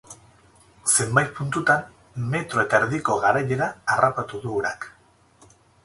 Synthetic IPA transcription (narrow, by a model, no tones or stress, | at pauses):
se̞mbajt̪̚punt̪ut̪an | me̞t̪ɾo̞e̞t̪aeɾðiko̞ɣaɾaje̞ɾaːrʔapat̪uðuoɾa̰k